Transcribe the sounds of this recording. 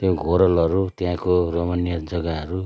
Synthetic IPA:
t̪joɡʱoɾʌlʌɾut̪jãkoromʌnjʌd͡zʌɡaɦʌɾu

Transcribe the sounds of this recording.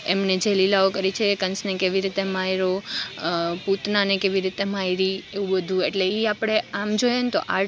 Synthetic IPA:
emned͡ʒelilaokəɾit͡ʃʰekənsnekeʋiɾit̪emajɾo | put̪nanekeʋiɾit̪emaiɾieʋũbəd̪ʱũeʈleiapɽ̃eamd͡ʒojent̪o̰ʔa̰

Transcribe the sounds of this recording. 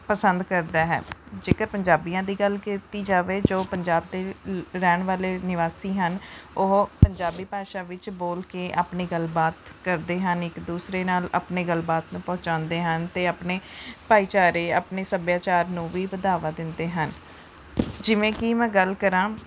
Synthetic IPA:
pəsənd̪kəɾd̪aːɦɛ̰ːd͡ʒeːkəɾpəɲd͡ʒaːbijãːd̪iːɡəlkiːt̪iːd͡ʒaːʋeːd͡ʒoːpəɲd͡ʒaːb̚d̪eːɾɛːɳʋaːleːnɪʋaːsiːɦənʊɦpəɲd͡ʒaːbiːpaːʃaːʋɪt͡ʃboːlkeːʔaːpneːɡəlbaːt̪kəɾd̪eːɦənɪkd̪uːsɾeːnaːla̰ːpneːɡəlbaːt̪nũːpɔɦʊ̃t͡ʃãːnd̪eːɦənt̪eːaːpneːpaːiːt͡ʃaːɾeːaːpneːsəbjaːt͡ʃaːɾnũːʋiːbəd̪aːʋaːd̪ɪnd̪eːɦən | d͡ʒɪʋẽːkiːmɛ̃ːɡəlkəɾãː

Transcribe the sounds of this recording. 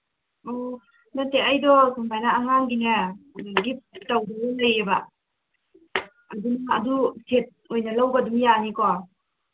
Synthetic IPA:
ɔ | nateajdɔsʰumpʰajnaːŋaŋɡinɐɡip̚tawdaɡɔlajeba | adunaɐdusʰet̚ojnɐlawɡɐdumjanikɔ

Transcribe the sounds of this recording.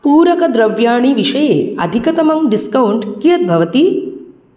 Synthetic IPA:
puːɾɐkɐd̪ɾɐʋjaːɳiʋiʂɐjeːɐ̰d̪ʱikɐt̪ɐmɐŋɖiskɐwɳʈkijɐt̪̚bʱɐʋɐt̪i

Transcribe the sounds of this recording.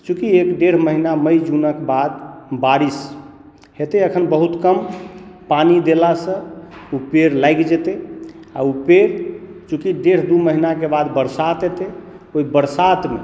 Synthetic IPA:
t͡ʃukiekɖeɾ̤məɦinaməjd͡ʒunəkebad̪baɾis | ɦet̪eəkʰənbəɦut̪kəmpanid̪elasə̃upeɾlajkd͡ʒet̪e | a̰upeɾt͡ʃukiɖeɾ̤d̪uməɦinakebad̪bəɾsat̪et̪e | oibəɾsat̪me

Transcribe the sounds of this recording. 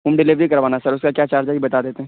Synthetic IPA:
ɦʊmɖɪliʋɾikɐɾʋaːnasɐɾʊskakjaːt͡ʃaːɾd͡ʒaibɐt̪aːd̪eːt̪eɦɛ̃

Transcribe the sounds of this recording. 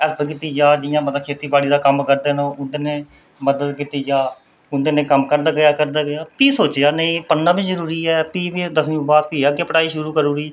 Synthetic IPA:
əɾbəkɪt̪iːd͡ʒaːd͡ʒɪjãːməd̪akʰeːt̪iːpaːɽiːd̪aːkəmkəɾd̪eːnõːʊnd̪eːneː | məd̪əd̪kɪt̪iːd͡ʒaː | ʊnd̪eːnẽːkəmkəɾd̪aːɡɪjaːkəɾd̪aːɡɪjaːpiːsoːt͡ʃjaːnəĩːpənːãːbiːzəɾuːɾiːɛːpiːbid̪əsũːbaːt̪piːaːkepəʈaːiːʃʊɾuːkəɾuːɾiː

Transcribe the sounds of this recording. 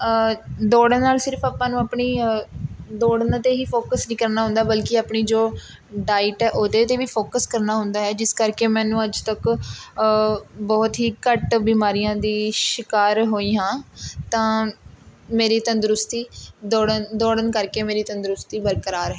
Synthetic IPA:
d̪oːɽənːaːlsɪɾpʰaːpãːnũːaːpɳiː | d̪oːɽənat̪eːɦiːpʰoːkəsnĩːkəɾnaːɦʊ̃nd̪aːbəlkɪaːpɳiːd͡ʒoː | ɖaːɪʈɛːʔoːd̪eːt̪eːʋiːpʰoːkəskəɾnaːɦʊ̃nd̪aːɦɛːd͡ʒɪskəɾkeːmɛ̃ːnũːəd͡ʒt̪ək | bɔːt̪ɦiːkəʈbiːmaːɾijãːd̪iːʃɪkaːɾɦoːiːɦãːt̪ãː | meːɾiːt̪ənd̪ɾʊst̪iːd̪oːɽənd̪oːɽənkəɾkeːmeːɾiːt̪ənd̪ɾʊst̪iːbəɾkəɾaːɾɦɛː

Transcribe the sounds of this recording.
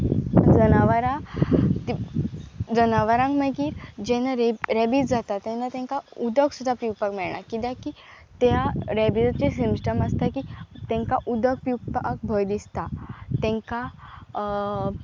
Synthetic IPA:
d͡zənaʋaɾãt̪i | d͡zənaʋaɾãŋkməɡiːɾd͡ʑɛnaɾeɾɛbit͡sd͡zat̪at̪ɛ̃nat̪ɛ̃ŋkaud̪əksud̪ʱapiwpakmɛɭɳa̰kit̪jaki | t̪jaɾɛbid͡zat͡ɕesimsʈəməst̪akit̪ɛ̃ŋkaʔud̪ək̚piwpk̚bʱəjd̪ist̪at̪ɛ̃ŋka

